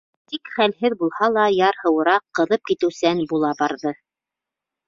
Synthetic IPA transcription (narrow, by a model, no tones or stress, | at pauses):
t̪ikχælhɘðbulˠhɑlˠɑjɑɾhɤ̆wɤ̆ɾɑqːɤ̆ðɤp̚kit̪ɘ̆wsænbulˠɑbɑɾðɤ